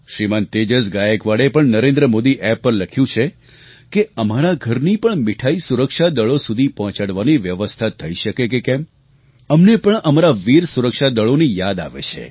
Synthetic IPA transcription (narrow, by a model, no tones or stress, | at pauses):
ʃɾimant̪ed͡ʒəsɡajəkʋaɭepəɳnəɾẽnd̪ɾəmod̪iʔɛpːəɾləkʰjũt͡ʃʰe | keəmaɾaɡʱəɾnipəɳmɪʈʰaisuɾəkʃad̪əɭosud̪ʱipɔɦɔ̃t͡ʃaɽʋaniʋjəʋəst̪ʰat̪ʰːəiʃəkekekɛm | əmnepəɳəmaɾaʋiɾsuɾəkʃad̪əɭonijad̪a̰ʋḛt͡ʃʰḛ